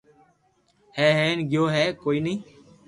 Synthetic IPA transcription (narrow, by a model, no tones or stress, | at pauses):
hɛːɦeːnɡɪjoːɦɛːkoːiːnĩː